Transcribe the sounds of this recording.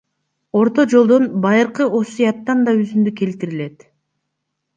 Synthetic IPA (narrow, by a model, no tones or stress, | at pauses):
o̞ɾt̪o̞d͡ʒo̞lˠd̪onbɑjɯɾqɯʔo̞sijɑt̪ːɑnd̪ɑyzynd̪yke̞lt̪iɾile̞t̪